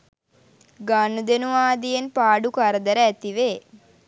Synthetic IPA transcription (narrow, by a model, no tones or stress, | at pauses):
ɡaːnud̪enuʋaːd̪ijenpaːɖukɐɾɐd̪ɐɾɐɛt̪iʋe